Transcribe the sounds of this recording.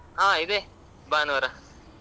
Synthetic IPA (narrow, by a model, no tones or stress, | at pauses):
ɦãːid̪e | baːnɐɐɾa